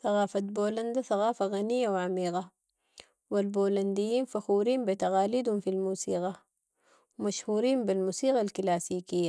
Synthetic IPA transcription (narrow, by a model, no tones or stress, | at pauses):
θɑɣaːfat̪̚boːland̪aθaɣaːfaɣanijːawʕamiːɣɑ | walboːland̪ijːiːnfaxuːɾiːmbit̪aɣaːliːd̪humfilmuːsḭːɣɑ | wmaʃhuːɾiːmbilmuːsiːɣalklaːsiːkijːa